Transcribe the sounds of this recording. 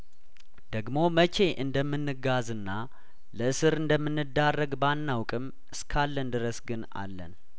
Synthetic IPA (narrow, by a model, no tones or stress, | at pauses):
d̪̥əɡmo̞mət͡ʃe̞ʔɨnd̪əmːɨnːɨɡazɨnːa | ləɨsɨɾɨnd̪əmːɨnːɨd̪ːarːəɡbanːawkʼɨm | ɨskʰalːənd̪ɨɾəsɡɨna̰lːə̰n